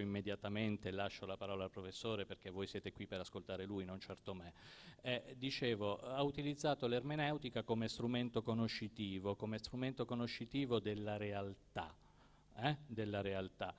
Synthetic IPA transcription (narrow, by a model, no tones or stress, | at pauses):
imːed̪jat̪ament̪elaʃːolapaɾɔːlaːlpɾofesːoːɾeperk̟evojsjɛːt̪ekwipːeɾaskolt̪aːɾelujnont͡ʃɛrt̪omeɛd̪it͡ʃeːvoaut̪ilid̪zːaːt̪olermenɛwt̪ikakomest̪ɾument̪okonoʃːit̪iːvokomest̪ɾument̪okonoʃːit̪iːvod̪elːaɾealt̪a̰ | ɛd̪elːaɾealt̪a